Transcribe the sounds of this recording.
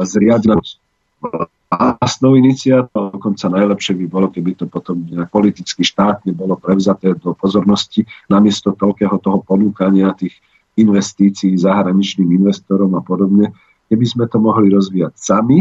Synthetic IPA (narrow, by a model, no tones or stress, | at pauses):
zɾɪana | ɔl | asnɔʊinit͡siat̪ɔd̪ɔkɔnt͡sanajlɛpʃɛbibɔlɔkɛbit̪ɔpɔt̪ɔmɲɛak̚pɔlit̪it͡skiʃt̪aːt̪ɲɛbɔlɔpɾɛʊzat̪ɛːd̪ɔpɔzɔɾnɔscinamɪɛst̪ɔt̪ɔlkɛːɦɔt̪ɔɦɔpɔnuːkaɲɪat̪iːx | inʋɛst̪iːt͡siːzaɦɾaɲit͡ʃniːminʋɛst̪ɔɾɔmapɔd̪ɔbɲɛ | kɛbizmɛt̪ɔmɔɦliɾɔzʋiːacsami